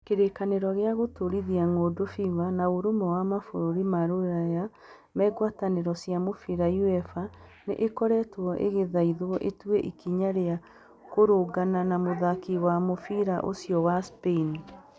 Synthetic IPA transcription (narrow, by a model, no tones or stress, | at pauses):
keɾekaneɾɔɣeaɣotoɾiðiaŋoːdofivanaoɾomɛwamafoɾoɾimaɾoɾaja | mɛːɡwataneɾɔsjamofiɾajuɛfa | nḛʔekɔɾɛtwɔʔḛɣeðaiðwɔʔetueʔikiɲaɾea | koɾoɡananamoðakiwamofiɾaʔosiɔwaspeini